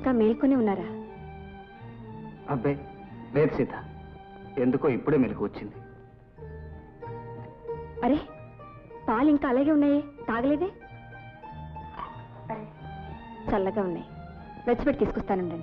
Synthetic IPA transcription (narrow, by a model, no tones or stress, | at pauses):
iŋkaːmeːlkoːneːunːaːɾaː | ɐbːeːleːt̪sit̪a | end̪ukoːipːuɽeːmiːlɐkuʋɐt͡ʃːind̪i | ɐɾeː | paːliŋkaːɐlaːɡeːunːaːjeːt̪aːɡɐleːd̪eː | t͡ʃɐlːɐɡaːunːa̰ːji | ɾɐt͡ʃːɐbeʈːit̪iːsu̥kɔst̪aːnuɳʈɐɳɖii